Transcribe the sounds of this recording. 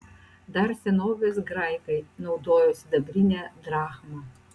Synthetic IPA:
d̪ɐɾsʲɛnoːʋʲɛsɡɾajkɐɪnɐʊd̪oːjoːsʲɪd̪ɐbʲɾʲɪnʲɛd̪ɾaːxmɐ

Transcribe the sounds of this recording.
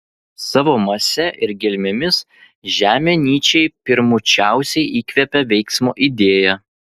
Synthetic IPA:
sɑʋoːmɐsʲɛʔɪɾɡʲɪlʲmʲɪmʲɪs | ʒʲæːmʲenʲiːt͡ʃʲɛɪpʲɪɾmʊt͡ʃʲæˑʊsʲɛɪʔiːkʲʋʲɛpʲɛʋʲɛɪksmo̰ːʔid̪ʲeːjɛ

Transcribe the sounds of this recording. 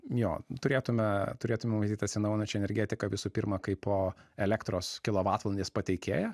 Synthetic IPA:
joːt̪ʊɾʲeːt̪ʊmʲɛt̪ʊɾʲeːt̪ʊmʲɛmmɐzʲt̪ʲiːt̪ɐsʲɪnɐʊjɪnɐnʲt͡ʃʲɛnʲɛɾʲɡʲɛːt̪ʲɪkɐʋʲɪsuːpʲɪɾmɐkɐɪpoːɛlʲɛkt̪ɾoːskʲɪlˠoːʋɑːt̪ʋɐlʲˠnʲd̪ʲeːspɐt̪ʲɛɪkʲeːjɛ

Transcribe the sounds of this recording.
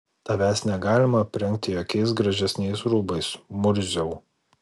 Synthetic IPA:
t̪ɐʋʲæːsʲnʲɛɡɑːlʲɪmɐpʲɾʲɛŋʲk̚t̪ʲɪjoːkʲɛɪsɡɾɐʒʲɛsʲnʲɛɪsɾuːbɐɪsmʊɾʲzʲɛʊ

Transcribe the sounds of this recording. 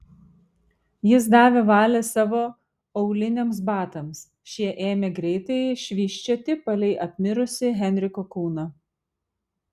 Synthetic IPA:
jɪs̬d̪ɑːʋʲeːʋɑːlʲɛsɑːʋoː | ɐʊlʲɪnʲeːms̬bɑːt̪ɐms | ʃʲiɛʔeːmʲeːɡɾʲɛɪt̪ɐɪʃʲʋʲiːʃʲt͡ʃʲɛt̪ʲɪpɐlʲɛɪʔɐpʲmʲɪɾʊsʲɪɦʲɛnʲɾʲɪkoːkuːnɐ

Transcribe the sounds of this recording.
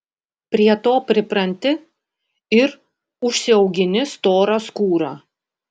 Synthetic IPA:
pʲɾʲiɛt̪oːpʲɾʲɪpɾɐnʲt̪ʲɪ | ɪɾ | ʊʃʲsʲɪɐʊɡʲɪnʲɪst̪oːɾɐskuːɾɑː

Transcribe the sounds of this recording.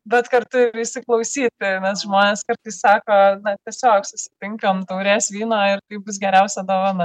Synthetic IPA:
bʲɛt̪kɐrt̪ʊɪɾɪʃʲsʲɪklˠɐʊsʲiːt̪ʲɪnʲɛsʒmoːnʲeːskɐɾt̪ɐɪssɑːkoːnɐt̪ʲɛsʲoːksʊsʲɪ̥t̪ʲɪŋkɐmt̪ɐʊɾʲeːsʋʲiːnoːɪrkɐɪbʊsɡʲɛɾʲɛʊsʲɛd̪oːʋɐnɐ

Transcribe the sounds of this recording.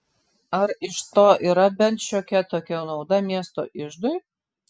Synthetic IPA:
ɐɾɪʃt̪oːʔiːɾɐbʲɛnt̪ʃʲoːkʲɛt̪oːkʲɛnɒʊd̪ɐmʲiɛst̪o̰ːʔɪʒd̪ʊj

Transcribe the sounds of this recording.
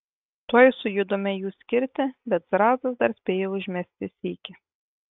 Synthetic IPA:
t̪oːjsʊjʊd̪omʲɛjuːsʲkʲɪɾʲt̪ʲɪbʲɛt̪zɾɑːzɐsd̪ɐɾsʲpʲeːjoːʊʒʲmʲɛsʲt̪ʲɪsʲiːkʲɪ

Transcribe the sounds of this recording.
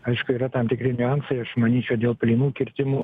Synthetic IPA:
ɐɪʃkʊiːɾɐt̪ɐmt̪ʲɪkɾʲɪnʲʊɐnsɐɪɐʃmɐnʲiːt͡ʃʲɛʊd̪ʲeːlˠpʲlʲiːnuːkʲɪɾʲt̪ʲɪmuː

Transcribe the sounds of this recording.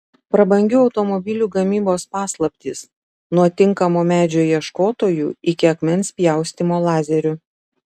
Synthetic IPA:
pɾɐbɐŋʲɡʲʊɒʊt̪ɔmɔbʲɪlʲuːɡɐmʲiːboːspɑːslˠɐpʲt̪ʲiːs | nuɔt̪ʲɪŋkɐmoːmʲæːd͡ʒʲoːjiɛʃkoːt̪oːjuːɪkʲɪɐkmʲɛnʲˑspʲjæˑʊsʲt̪ʲɪmoːlˠɑːzʲɛɾʲʊ

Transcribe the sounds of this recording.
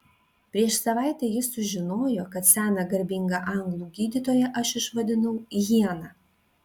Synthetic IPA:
pʲɾʲiɛʃsɐʋɑˑɪt̪ʲɛjɪsʊʒʲɪnoːjokɐt̪sʲæːnɐɡɐɾʲbʲɪŋɡɑʔɐŋɡlˠuːɡʲiːd̪ʲɪt̪oːjɛʔɐʃɪʃʋɐd̪ʲɪnɐʊjiɛnɑː

